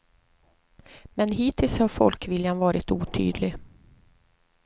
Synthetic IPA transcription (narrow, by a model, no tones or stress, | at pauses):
mɛnɦiːt̪ʰɪlshaɾfɔ̰lkvɪljanvɑːɾɪt̪ṵːt̪ʰy̰ːd̪lɪɡ